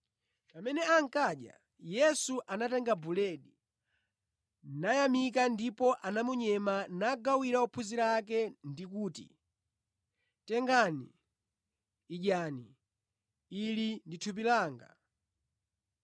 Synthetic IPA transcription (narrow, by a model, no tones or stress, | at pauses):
pamɛnɛaŋ̩kaɗja̰ | jɛsuʔanatɛŋɡabulɛɗi | najamik̬andipɔʔanamuɲɛmanaɡawiɾaupʰuziɾak̬ɛndikuːtḭ | tɛŋɡani | ʄani | linditʰup̬ilaːŋɡa̰